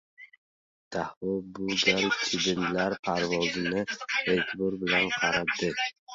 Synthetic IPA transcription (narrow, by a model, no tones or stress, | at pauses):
d̪̥ahɔbʊɡalt͡ʃʰɪb̪ɪnlaɾpʰaɾvɒzɪnɪet̪ʰʲbʊɾbɪlanqʰɑɾab̚d̪ɪ